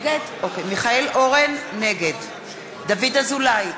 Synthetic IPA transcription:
ɡedʔokejmiχaelʔo̞ʁenːeɡed | d̪avidazulaj

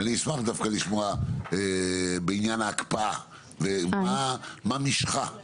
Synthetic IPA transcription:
aniismaχd̪afkaliʃmoaebeinjanaːkpaa | vemamamiʃχa

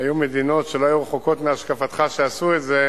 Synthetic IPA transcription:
ajumed̪ino̞tʃeloajuʁeχoko̞t̪meaʃkafat̪χaʃeasuetze

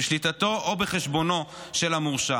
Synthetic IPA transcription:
eʃlit̪at̪o̞ʔobeχeʃbo̞no̞ʃelamuʁʃa

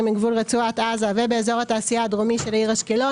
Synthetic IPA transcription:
miɡvulʁet͡suat̪azave̞beezo̞ʁhat̪aːsijaːd̪ʁomiʃelaiʁhaʃkelo̞

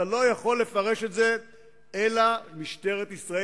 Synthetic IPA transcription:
alo̞jaχo̞lːe̞faʁe̞ʃetze̞ | elamiʃte̞ʁet̪isʁae

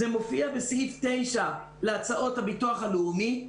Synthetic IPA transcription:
emo̞fiabesiftejʃa | leat͡saʔo̞thabituaχaleumi

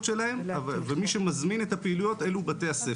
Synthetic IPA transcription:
tʃe̞lahemvvemiʃemazminet̪hapeilujo̞t̪e̞lubat̪e̞jase

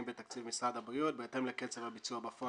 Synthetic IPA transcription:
mbet̪akt͡sivmisʁadabʁiut̪̚beːt̪emleket͡sevabit͡suabafo

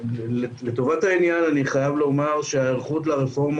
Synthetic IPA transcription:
le̞t̪o̞vatainjananiχajavlo̞maʁʃeaeʁχut̪laʁefo̞ʁm

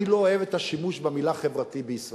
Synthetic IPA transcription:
ilooevet̪aʃimuʃbemilaχevʁat̪ibeisʁ

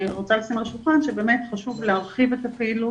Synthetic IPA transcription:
ʁot͡salasimaʃulχanʃebe̞ːme̞tχaʃuvleaʁχivet̪apeilu

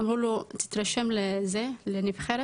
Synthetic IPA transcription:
mulot̪i̥t̪ɾaʃɛmlezelenivχeɾ

